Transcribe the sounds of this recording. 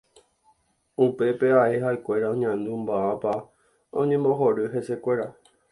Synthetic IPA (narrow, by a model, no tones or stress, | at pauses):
upe̞pe̞aʔe̞ɦaekʷe̞ɾaõɲãnd̪ũmbaapa | õ̞ɲẽmbo̞ɦoɾɨɦe̞se̞kʷe̞ɾa